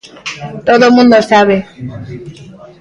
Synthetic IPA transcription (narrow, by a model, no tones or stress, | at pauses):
t̪oðomũnd̪osaβe